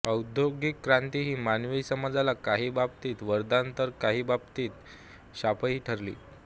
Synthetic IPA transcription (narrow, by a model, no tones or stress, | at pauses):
əwd̪ʱjoɡikːɾant̪iɦiːmanʋiːsəmad͡zalakaɦiːbab̚t̪iːt̪ʋəɾd̪ant̪əɾkaɦiːbabt̪iːt̪ | ɕapʰəɦiːʈʰəɾlḭː